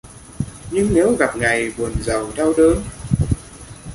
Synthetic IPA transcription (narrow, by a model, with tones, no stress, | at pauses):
ɲɨ˧ŋne˨˦wɣa˨˩p̚ŋa˨˩jɓu˨˩ənzə˨˩wt̪ʰɛ˧wɗəː˨˦n